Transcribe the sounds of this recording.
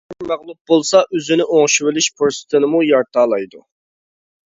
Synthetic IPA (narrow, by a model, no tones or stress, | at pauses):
mæʁlˠup̚bolˠsɑʔøzynɪʔoŋʃiwɪlɪʃpʰoɾsɨ̥t̪ʰɨnɨmujɑɾt̪ʰɑːlˠɑjd̪u